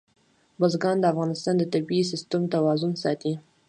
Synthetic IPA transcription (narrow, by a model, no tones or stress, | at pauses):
bazɡɑnd̪əafɣɑnɪst̪ɑnd̪ət̪abiis̬ɪst̪umt̪awɑzʊnsɑ̰t̪i